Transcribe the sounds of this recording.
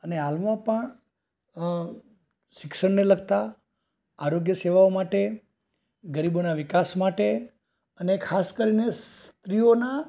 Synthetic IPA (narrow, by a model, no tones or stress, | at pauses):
əneɦalmãpəɳ | ʃɪkʃəɳneləɡ̚t̪a | aɾoɡjəseʋaomaʈe | ɡəɾibonaʋɪkasmaʈe | ənekʰaskəɾinest̪ɾiona